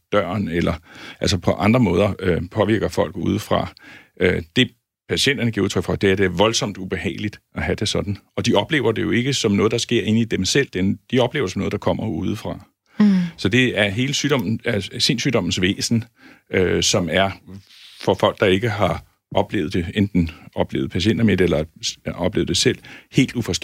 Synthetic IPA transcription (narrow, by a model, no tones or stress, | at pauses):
d̥ɶɐ̰nelɐʔæl̰sɒpʰɒ̽ʔɑ̈nd̥ʁɐmɔ̽ːð̞ˠɐøpʰɒ̽ʋiɐ̰ɡ̥ɐfɒ̽l̰ɡ̥ṵːð̞ˠfʁɑ̈ | ød̥e̝ | pʰæɕen̰d̥ɐnəɡ̥iɐ̰uðˠʰœɡ̥fɒ̽d̥e̝æɐd̥e̝ɐʋɒ̽lsɒ̽m̰d̥ub̥e̝hɛ̰ːlid̥ɒɦæd̥e̝sɒ̽d̥n̩ɒ̽d̥iɒ̽b̥le̝̰ːʊɐd̥e̝jo̝e̝ɡ̥əsɒ̽mnɔ̽ːð̞̩ˠdɑ̈sɡ̥e̝ɐ̰e̝ːn̩id̥emsel̰d̥end̥iɒ̽b̥le̝ːʊɐsɒ̽mnɔ̽ðˠd̥ɑ̈kʰɒ̽m̰ɐuːð̞ˠfʁɑ̈ | sɒ̽d̥e̝æɐɦe̝ːləsyːɾ̥ɒ̽m̰n̩æse̝nsyːd̥ɒ̽mn̩sʋḛːsn̩ | øsɒ̽mæɐ | fɒfɒ̽l̰ɡ̥̚d̥ɑ̈e̝ɡ̥əɦɑ̈ | ʔɒ̽b̥lḛːð̩ˠd̥eend̥n̩ɒ̽b̥le̝̰ːʊð̩ˠpʰæɕend̥ɐmed̥elɐɒ̽b̥le̝̰ːʊð̩ˠd̥e̝sel̰he̝̰ːld̥ufɒs